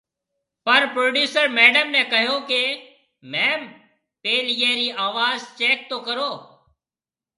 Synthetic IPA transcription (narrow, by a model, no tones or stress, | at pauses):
pəɾpɾoːɖjuːsəɾmɛːɖəmnẽːkəɦjõːkeː | mɛːm | peːljeːɾiːʔaːʋaːzt͡ʃeːk̚t̪oːkəɾoː